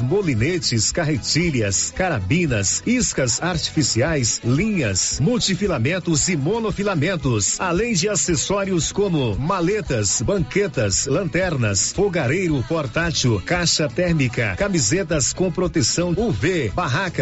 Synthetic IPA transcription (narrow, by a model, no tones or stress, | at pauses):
molinet͡ʃɪskaɦet͡ʃiljɐskaɾabĩnɐsiskɐsaɾt͡ʃi̥fisiajslĩɲɐsmuwt͡ʃifilamẽnt̪ʊzɪmonofilamẽnt̪ʊsalẽj̃d͡ʒɪasesɔɾiʊskõmʊmalet̪ɐsbɐ̃ŋket̪ɐslɐ̃nt̪ɛɾnɐsfoɡaɾejɾʊpoɾt̪at͡ʃʊkaʃɐt̪ɛɾmikɐkamizet̪ɐskõpɾot̪esɐ̃w̃uvebaɦakɐ